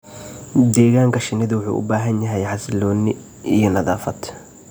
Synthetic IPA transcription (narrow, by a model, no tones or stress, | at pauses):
d̪ɛːɣaːŋkʰɐʃɪnɪðɐwʊħṵːʔʊ̰baːɦɐnjɐɦɛjħɑsɪlɔːnɪ | ijɞnɐðaːfɐd̪